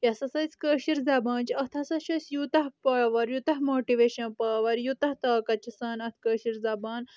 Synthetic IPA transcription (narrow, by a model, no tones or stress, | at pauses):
jɐsɐsɐsʲkəːʃiɾzɐːbaːnt͡ʃɐt̪ʰɐsɐʃɐsʲjut̪ɐɦpɐːʋɐɾjut̪ɐɦmoːʈiʋeːʃɐnpɐːʋɐɾjut̪ɐht̪aːkɐt͡ʃʰisɐːnɐt̪ʰkəːʃiɾzɐbaːn